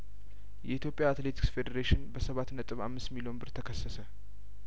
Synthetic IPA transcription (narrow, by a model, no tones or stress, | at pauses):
jɛʔit̪ʰjo̞pʼːjaːt̪le̞t̪ʰi̥ksfe̞d̪əɾeʃɪnbəsəβat̪nət̪ʼɨβa̰mːɨst̪milio̞nbɨɾt̪ʰəkʰəsːəsə